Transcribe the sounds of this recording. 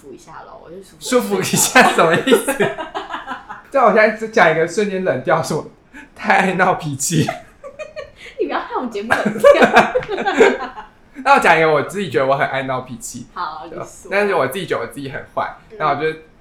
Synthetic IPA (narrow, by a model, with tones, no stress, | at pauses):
u˧i˧˦ɕja̰˥˩lə̰˩wɔ̰˨˩o˥˧ʂu˥fu˧˩i˧˥ɕja˥˩t͡sə˨˩mə˦i˥˩s̩˨˩ | t͡swɔ˨˩ɛ˥˩˥t͡ɕjɑ˨˩ŋi˧˥ɡə˧ʂwə˥˧njɛ˧˥nlə˨˩nt̪jɑ˥˨ʊʂə˥˩ɔ˧ | t̪ʰa˥˧ɪa˥˧ɪnɑ˥˩ʊpʰi˨˥t͡ɕʰi˥ | ni˨˩pjɑ˥tʰa˥jo˨˩t͡ɕjɛ˧˥mu | na˥˩wɔ˥˩t͡ɕjɑ˨˩ŋi˧˥ɡə˧wɔ˨˩t͡sɹ̩˥˩t͡ɕi˨˩t͡ɕɥɛ˧˥d̪ə˧wɔ˧˦xə˨˩nʔa˥˧ɪnɑ˥˩ʊpʰi˨˥t͡ɕʰḭ˧˥˨t̪a˥˧n̩˥˩wɔ˨˩t͡s̩˥˩t͡ɕi˨t͡ɕɥɛ˧˦də˧˩ɔ˨˩t͡sɨ˥˩i˧˩xə̰˨˩nxwa̰˥˩ɪna˥˩˨wɔ˨˩t͡ɕɥɛ˧˥d̪ə˧